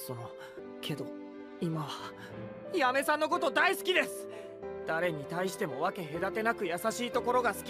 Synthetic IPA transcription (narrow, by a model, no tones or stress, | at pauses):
soː | kʰe̞d̪o̞ | imaβa | ijame̞sãnːoko̞t̪o̞d̪aisɨ̥kʲid̪e̞sɨ̥ | d̪̥aɾe̞ɲ̟it̪aiɕi̥t̪e̞mo̞βake̞ɦe̞d̪at̪e̞nakɯ̟jasaɕiːt̪o̞ko̞ɾo̞ɡasɨ̥kʲ